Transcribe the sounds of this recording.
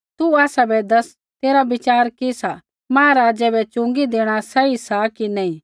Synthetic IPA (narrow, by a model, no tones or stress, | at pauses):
t̪uaːsabɛd̪ɐs | t̪eːɾabɪt͡ʃaːɾkisa | mãːãɾaːd͡ʒɛbɛt͡ʃʊ̃ŋɡid̪eːɽ̃asɛisakinɛĩ